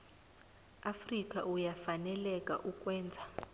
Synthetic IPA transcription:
afrikʼaʔujafanɛlɛkʼa̰ʔukʼwɛːnd͡zʱa

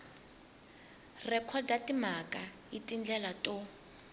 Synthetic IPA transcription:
rɛkʰɔdatʼimakʼa | itʼind͡ɮɛlatʼo

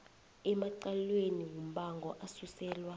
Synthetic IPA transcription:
ɛmaǀalweniwum̩ɓaŋɡʱɔʔasusɛːlwa

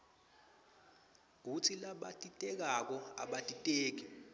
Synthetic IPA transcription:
k̬ut͡sʰilaɓa̰tʼitʼɛk̬ak̬ɔa̰ɓatʼitʼeːk̬i

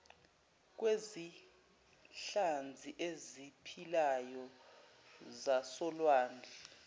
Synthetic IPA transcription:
k̬wezi | ɬand͡zʱiʔezipʰilajɔ | zasɔlwaːnd͡ɮʱɛ

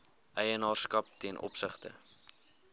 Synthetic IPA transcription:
ʔɛjənɑːrskɐp̚tiənʔɔ̰psəχtə̰

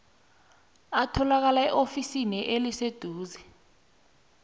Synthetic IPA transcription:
atʰɔlak̬alaɛʔofisinɛʔelised̥ʱuːzɛ

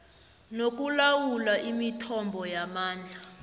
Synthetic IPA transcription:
nok̬ulawulaʔimitʰɔmbʱɔjamaːnd͡ɮʱa

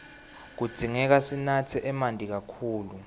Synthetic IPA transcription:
k̬ud̥z̥ʱiŋɛk̬asinatʰɛʔɛmandʱik̬akʰuːlu

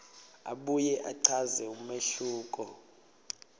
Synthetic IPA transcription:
a̰ɓujɛʔaǀʰazɛumeɬuːkʼɔ

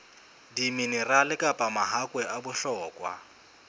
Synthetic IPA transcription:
diminɪralɪkʼapʼamaɦakʼwɛʔabʊɬɔːkʼwa̰

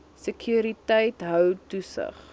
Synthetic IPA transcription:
səkʰjuːɾitəjtɦœwtusə̰χ

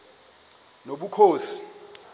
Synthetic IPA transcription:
noɓukʰoːsi̥

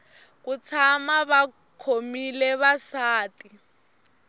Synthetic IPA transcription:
k̬ut͡sʰamaβa | kʰomilɛβasaːti

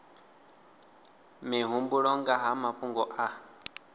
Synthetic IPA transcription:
miɦumbuɺɔŋɡaɦamapuŋɡɔʔa

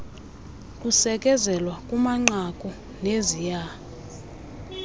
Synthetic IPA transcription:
kʼusɛkʼɛzɛlwakʼumaŋ͡ǀakʼɔ | nezija

